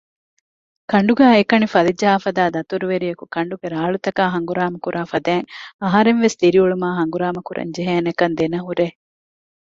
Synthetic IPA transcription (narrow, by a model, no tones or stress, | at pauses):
kɐɳɖuɡæːekɐnifɐlid͡ʒːɐɦaːfɐd̪aːd̪ɐt̪uɾuʋeɾijɐkukɐɳɖuɡeɾaːɭut̪ɐkaːɦɐŋɡuɾaːmɐkuɾʔaːfɐd̪æːŋɐɦɐɾenʋest̪iɾiuɭumaːɦɐŋɡuɾaːmɐkuɾʔɐ̰ɲd͡ʒeɦeːnɐkɐnd̪enɐɦuɾe